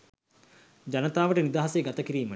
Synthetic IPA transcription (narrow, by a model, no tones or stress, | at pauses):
d͡ʑanət̪aːʋəʈənid̪aːɦaseɡat̪əkiɾiːmə